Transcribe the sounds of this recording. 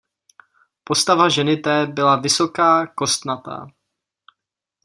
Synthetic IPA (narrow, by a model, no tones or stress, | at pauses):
po̞st̪avaʒɛnɪt̪ɛːbɪlavɪsokaːko̞st̪nat̪a̰